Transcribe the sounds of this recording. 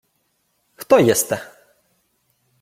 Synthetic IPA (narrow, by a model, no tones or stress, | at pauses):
xt̪ɔjɛst̪ɛ